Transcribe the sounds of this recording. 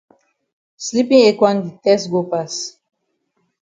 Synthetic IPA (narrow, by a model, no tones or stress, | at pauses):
slipĩŋekwãnditɛsɡopas